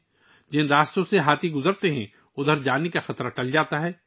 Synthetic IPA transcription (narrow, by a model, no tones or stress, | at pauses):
d͡ʒɪ̃ndaːst̪õseɦaːt̪ʰiɡʊzəɾt̪eɦɛ̃ | ʊd̪ʱəɾd͡ʒaːnekaxɐt̪ɾaʈɐld͡ʒaːt̪aɦɛː